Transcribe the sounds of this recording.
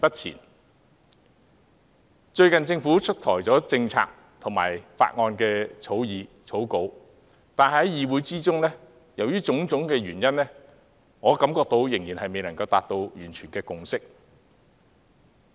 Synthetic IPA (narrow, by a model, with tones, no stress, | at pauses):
pɐ˥t̚t͡sʰḭː˨˩n | t͡ʃɵ˧ɥkɐ˨nt͡sɪ˧ŋfuː˨˥t͡ʃʰɵ˥t̚t̪ʰɔ̰ː˨˩jt͡sɔː˨˥t͡sɪ˧ŋt͡sʰa̰ː˧k̚ | t̪ʰʊ˨˩ŋma̰ː˨˩jfa̰ː˧t̚ŋɔː˧nkɛː˧t͡sʰo˨˥wjiː˨˧ | t͡sʰo˨˥wko˨˧˥w | t̪aː˨n˨ɦɐ˨˥jjiː˨wuː˨˥jt͡siː˥t͡sʊ˥ŋnɛː˥ | jɐ˨˩wjyː˥t͡sʊ˨˥ŋt͡sʊ˨˥ŋkɛː˧ɥyː˨˩njɐ˥nlɛː˥ | ŋɔː˨˧kɐ˨˥mkɔː˧k̚t̪o˧wjɪ˨˩ŋjiː˨˩nhɐ˨jme˨jlɐ˨˩ŋkɐ˧wt̪aː˨t̚t̪o˧wjyː˨˩nt͡ʃʰyː˨˩nkɛː˧kʊ˨ŋsɪ˥k̚